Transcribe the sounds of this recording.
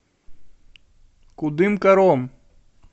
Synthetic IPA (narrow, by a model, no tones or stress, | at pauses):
kʊd̪imkɐɾoːm